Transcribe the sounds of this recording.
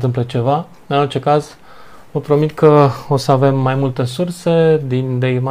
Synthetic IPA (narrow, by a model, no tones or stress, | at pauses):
t̪ɨmplət͡ʃe̞va | ɨnort͡ʃe̞kaz | vəpɾo̞mit̪kʰəo̞səave̞mːajmult̪e̞surse̞d̪ind̪eima